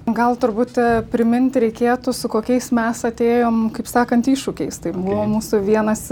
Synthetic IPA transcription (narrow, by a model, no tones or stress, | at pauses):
ɡɐlˠt̪ʊɾbʊt̪ʲɛpʲɾʲɪmʲɪnʲt̪ʲɾʲɛɪkʲeːt̪ʊsʊkoːkʲɛɪsmʲɛsɐt̪ʲeːjoːmkɐɪpsɑːkɐnt̪iːʃʊkʲɛɪst̪ɐɪbʊʋoːmuːsʊʋʲiɛnɐs